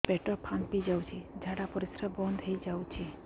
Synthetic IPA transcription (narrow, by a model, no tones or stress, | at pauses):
peʈɔpʰãnpid͡ʒawt͡ʃʰid͡ʒʱaɽapɔɾisɾəbɔnd̪ʱɦəid͡ʒawt͡ʃʰi